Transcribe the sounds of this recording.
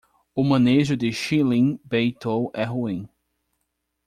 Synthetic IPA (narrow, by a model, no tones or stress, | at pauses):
ʊmɐ̃neʒʊd̪ɪʃilĩbejt̪ʰowʔɛɦuĩ